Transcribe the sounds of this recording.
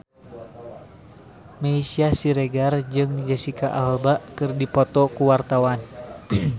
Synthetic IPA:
meisiasiɾeɡard͡ʒɨŋd͡ʒəsikaʔalbaʔkɨrdipɔt̪ɔkuwart̪awan

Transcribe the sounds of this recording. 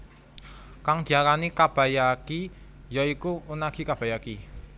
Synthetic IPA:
kaŋd̪̥i̤akanikab̥a̤jaki | jɔikuunaɡ̥i̤kab̥a̤jaki

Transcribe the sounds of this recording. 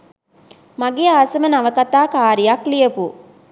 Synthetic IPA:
maɡejaːsɐmənaʋəkɐt̪aːkaːɾijaklijəpu

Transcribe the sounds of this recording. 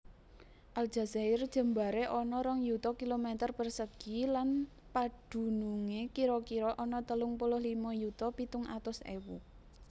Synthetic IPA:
ʔal̥ʒ̥a̤zaɪrd̥ʒ̥ə̤mbaɾeʔɔnɔɾɔŋjut̪ɔkilomet̪ərpərsəɡ̥ilan | pad̥ṳnuŋekiɾɔkiɾɔʔɔnɔt̪əlʊŋpulʊhlimɔjut̪ɔpit̪ʊŋʔa̰t̪ʊsḛwu

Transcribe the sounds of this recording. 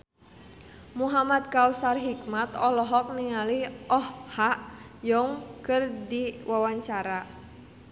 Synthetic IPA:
muɦamad̪̚kausarɦikmat̪ɔlɔɦɔk̚niŋaliɔhhaʔjɔŋkɨrdiwʔawaɲt͡ʃaɾa

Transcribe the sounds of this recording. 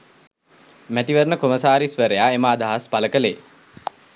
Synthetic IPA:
mæt̪iʋəɾnəkoməsaːɾisʋəɾejaemaːd̪aɦaspaləkəleː

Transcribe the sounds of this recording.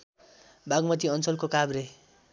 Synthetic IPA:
baɡmʌt̪iʌnt͡sʌlkokabɾe

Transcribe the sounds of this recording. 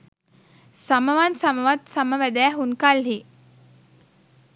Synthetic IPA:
saməʋansaməʋat̪saməʋæd̪æːɦunkalɦi

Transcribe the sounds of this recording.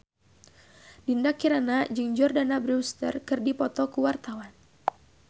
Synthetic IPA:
dindakiɾanad͡ʒɨŋd͡ʒɔrdanabɾist̪ə̰rkɨrdipɔt̪ɔkuwart̪awan

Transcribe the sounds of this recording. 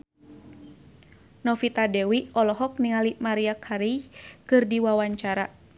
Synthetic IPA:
nɔfit̪adɛwiɔlɔɦɔk̚niŋalimaɾiakʰaɾijkɨrdiwawaɲt͡ʃaɾa

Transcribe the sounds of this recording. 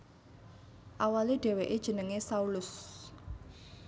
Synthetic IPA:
ʔawaliɖ̥e̤weʔed̥ʒ̥ə̤nəŋesaulʊs

